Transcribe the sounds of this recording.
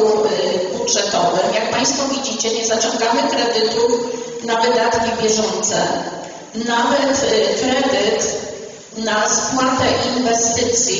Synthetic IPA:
ubudʐɛt̪ɔvɘmjak̚paj̃st̪fɔvʲid͡ʑit͡ɕɛɲɛzat͡ɕɔ̃ŋɡamɘkɾɛd̪ɘt̪unavɘd̪at̪kʲibʲjɛʐɔnt̪sɛ | navɛt̪kɾɛd̪ɘt̪ | naspwat̪ɛʔinvɛst̪ɘt̪sʲj

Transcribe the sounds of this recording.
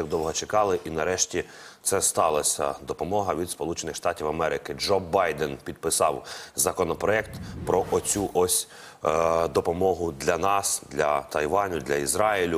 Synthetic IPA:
ɡd̪ɔwɦɔt͡ʃekɑlˠɪʔinɐɾɛʃtʲi | t̪sɛst̪ɑlˠɐsʲɐ̰d̪ɔpɔmɔɦɐʋʲid̪spɔlˠut͡ʃenɪxʃt̪ɑtʲiwɐmɛɾɪkɪd͡ʒɔbɑjd̪ɛnpʲid̪̚pɪsɑwzɐkɔnɔpɾɔɛkt̪pɾɔʔɔt͡sʲuʔɔsʲ | d̪ɔpɔmɔɦʊd̪lʲɐnɑsd̪lʲɐt̪ɐjʋɑnʲʊd̪lʲɐizɾɑilʲʊ

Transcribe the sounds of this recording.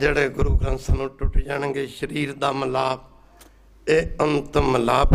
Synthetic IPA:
d͡ʒeːɽeːɡʊɾuːɡɾə̃nsaːnũːʈʊʈːid͡ʒaːɳ̃ə̃ŋɡeːʃəɾiːɾd̪aːməlaːb | eːənt̪məlaːb

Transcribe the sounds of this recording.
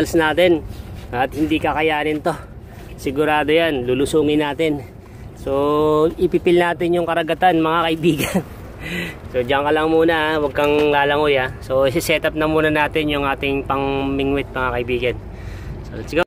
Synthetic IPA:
lsnaːt̪ɪnɐt̪̚hɪnd̪ikɐkɐjaːnɪnt̪o̞ | sɪɡʊɾaːd̪o̞janlulʊsuːŋɪnaːt̪ɪn | so̞ʔɪpipɪlnaːt̪ɪnjʊŋkɐɾɐɡɐt̪anmɐŋakɐʔɪbiːɡɐn | so̞d͡ʒɐŋkɐlɐŋmuːnɐʔwɐɡ̚kɐŋlaːlɐŋʊjaso̞ʔɪsɪsɛːt̪ɐp̚nɐmuːnɐnaːt̪ɪnjʊŋʔaːt̪ɪŋpɐŋmɪŋwɪt̪̚mɐŋakɐʔɪbiːɡɐn | so̰sɪɡa

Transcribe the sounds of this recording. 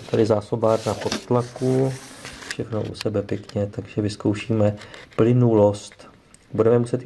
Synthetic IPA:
t̪adɪzaːso̞baːdnapot̪t̪laku | fʃɛxno̰ʔṵsɛbɛpjɛkɲɛt̪aɡʒ̥ɛvɪskowʃiːmɛplɪnulo̞st̪ | budɛmɛmusɛt̪

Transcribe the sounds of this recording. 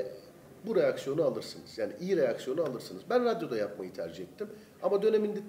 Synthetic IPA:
buɾe̞jaksjo̞nualˠɯɾsɯnɯz̥jaːniʔijiɾe̞jaksjo̞nualˠɯɾsɯnɯzbænɾad̪jo̞d̪ajapmajɯt̪ʰæ̰ɾd͡ʒihɛt̪ʰːim | amad̪ø̞ne̞mind̪ɛ

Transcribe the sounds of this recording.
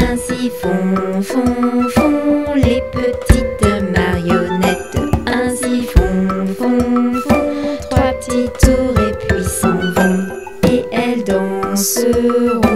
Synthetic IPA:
ɛ̃sifɔ̃fɔ̃fɔ̃lepət̪ʰit̪maʁjɔnɛt̪ɛ̃sifɔ̃fɔ̃fɔ̃t̪χwat̪it̪uʁepʰlisuvɑ̃ | eɛld̪ɔ̃səʁɔ̃

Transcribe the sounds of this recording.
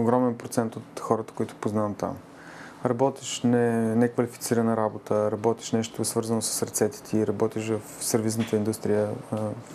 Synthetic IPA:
oɡɾɔmɛnpɾot̪sɛnt̪ot̪xɔɾət̪ə̥kʊit̪ʊ̥poznavət̪ːa̰m | ɾɐbɔt̪ɛʃnɛnɛkvɐlifit̪siɾənəɾabot̪əɾɐbɔt̪ɛ̥ʃnɛʃt̪ʊsvɤɾzənosə̥səɾt̪sɛt̪ɛ̥t̪ʰiːɾɐbɔt̪iʃvɐfsɛɾviznət̪əind̪ust̪ɾijə

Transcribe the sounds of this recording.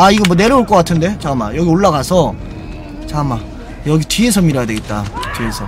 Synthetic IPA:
aiɡʌmwʌne̞ɾɯoɭk͈ʌk͈atʰɯnde̞t͡ɕama̰jʌɡioɭːaɡasʰʌ | t͡ɕama | jʌɡitie̞sʰʌmiɾʌjadweɡet̚t͈atɥie̞sʰʌ

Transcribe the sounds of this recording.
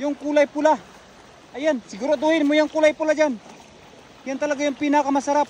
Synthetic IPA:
jʊŋkulajpula | ajansɪɡuɾod̪ohɪnmojaŋkulajpulad͡ʒan | jant̪alaɡajʊŋpinakamasaɾap

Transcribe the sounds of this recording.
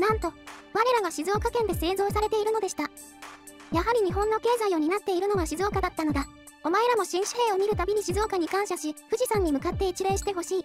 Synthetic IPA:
nãnt̪o̞βaɾe̞ɾaɡaɕizo̞ːkakẽ̞nd̪e̞se̞ːzo̞ːsaɾe̞t̪e̞iɾɯ̟no̞d̪e̞ɕi̥t̪a | jaɦaɾʲiɲ̟iɦõ̞nːo̞ke̞ːzaio̞ɲ̟inat̪ːe̞iɾɯno̞ɡaɕizo̞ːkad̪at̪ːano̞d̪a | o̞mae̞ɾamo̞ɕĩɰ̃ɕi̥he̞ːomʲiɾɯ̟t̪abʲiɲ̟iɕizo̞ːkaɲ̟ikãɰ̃ɕaɕiɸɯ̟ʑisãɲ̟ːimɯ̟kat̪ːe̞it͡ɕiɾeːɕi̥t̪e̞ɦo̞ɕiː

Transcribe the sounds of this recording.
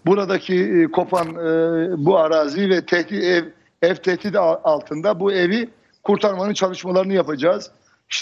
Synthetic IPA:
buɾad̪acʰikʰo̞pʰanːbuaɾaːzivɛt̪ʰɛht̪iɛv | ɛvt̪ʰɛht̪id̪alˠt̪ʰɯnd̪abuevi | kʰuɾt̪ʰaɾmanɯnt͡ʃʰalˠɯʃmalˠaɾɯnɯjapad͡ʒaːz̥ | iʃt̪ʰ

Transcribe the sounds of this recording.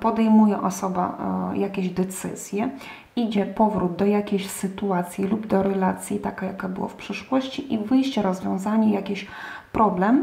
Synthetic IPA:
pɔd̪ɛjmujɛʔɔsɔba̰jakʲeʑd̪ɛt̪sɘ̰z̥ʲjɛ | id͡ʑɛpɔvɾud̪̚d̪ɔjakʲeɕsɘt̪uat̪sʲjilubd̪ɔɾɛlat̪sʲjit̪akajakabɘwa̰fpʂɘʂwɔɕt͡ɕiʔivɘjɕt͡ɕɛɾɔzvʲjɔ̃w̃zaɲɛjakʲeɕ | pɾʔɔblɛm

